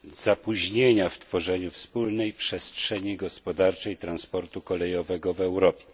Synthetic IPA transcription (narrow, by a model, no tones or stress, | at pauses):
z̥apuʑɲeɲaft̪fɔʐɛɲufspulnɛjpʂɛstʂɛɲiɡɔspɔd̪aɾt͡ʂɛjt̪ɾanspɔɾt̪ukɔlɛjɔvɛɡɔvɛwɾɔpʲjɛ